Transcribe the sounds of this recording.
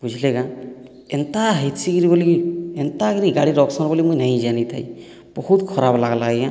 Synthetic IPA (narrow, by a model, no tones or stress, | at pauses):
bud͡ʒʱileɡã | ent̪aɦet̪siɡiɾibɔlient̪aɡiɾiɡaɽiɾɔksɔnbɔlimujnaj̃d͡ʒanit̪ʰa̰j | b̥ɔhut̪kʰɔɾablaɡlaɡeɡã